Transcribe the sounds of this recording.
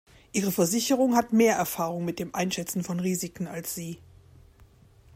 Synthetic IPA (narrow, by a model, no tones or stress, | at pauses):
ʔiːʁ̞əfɛɐzɪçəʁ̞ʊŋhatmeːɐʔɛɐfaːʁ̞ʊŋmɪt̚d̥eːmʔaɪnʃɛt͡sn̩fɔnʁiːzɪkn̩alsz̥iː